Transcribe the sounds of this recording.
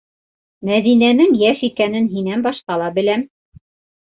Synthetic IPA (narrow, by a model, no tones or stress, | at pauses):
mæðinænɘŋjæʃikænɘnɦinænbɑʃqɑlˠɑbɘ̆læm